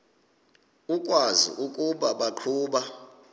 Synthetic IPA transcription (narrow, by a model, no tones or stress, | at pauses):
ukʼwazḭʔukʼuɓaɓaǃʰuːɓa